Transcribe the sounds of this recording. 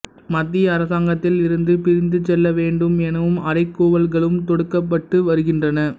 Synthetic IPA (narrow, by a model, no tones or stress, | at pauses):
mɐt̪ːɪjɐːɾɐsaːŋɡɐt̪ːɪlɪɾɯnd̪ɯpɪɾɪnd̪ɯt͡ʃɛlːɐʋeːɳɖɯmɛnɐʋɯmɐɾɐɪkːuːʋɐlɣɐɭɯmt̪ɔɽɯkːɐpːɐʈːɯʋɐɾɯɣɪndrɐnɐ